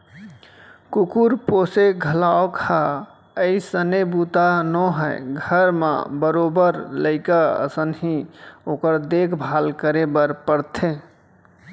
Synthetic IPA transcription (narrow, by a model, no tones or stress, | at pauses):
kukuɾposeɡʱəlaokʰa | əisənebut̪anɔ̃ɦəɪɡʱəɾmḛ̃bəɾobəɾləɪkaə̰sənɦĩokəɾd̪ekʰbʱalkəɾebəɾpəɾt̪ʰe